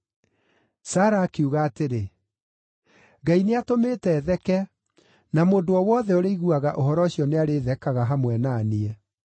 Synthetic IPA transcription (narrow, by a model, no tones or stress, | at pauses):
saɾaːkeuɣaːteɾe | ɡaineatomeːtɛːðɛkɛ | namodoɔwɔðɛoɾeiɣuaɣaʔohɔɾɔɕiɔneaɾeːðɛkaɣaɦamwɛnaːniɛ